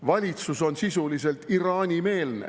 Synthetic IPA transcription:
vɑlʲit̪suso̞nsisulise̞lt̪iɾɑːnʲime̞ːlnḛ

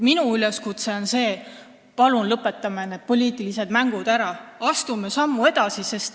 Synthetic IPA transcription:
minuyleskut̪se̞o̞nse̞ː | pɑlunlɤpːˑe̞t̪ːˑɑmened̪̥̚po̞lʲiːt̪ˑilise̞d̪mæŋɡ̥ud̪̥æɾɑɑst̪umesɑmːue̞d̪̥ɑsise̞st̪

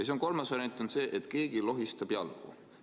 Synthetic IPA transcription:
ɑse̞onko̞lmɑsvɑɾʲjɑnt̪ːˑo̞nse̞ːʔet̪ˑke̞ːɡ̥ilo̞ɦist̪ɑb̥jɑ̰lɡ̥ṵ

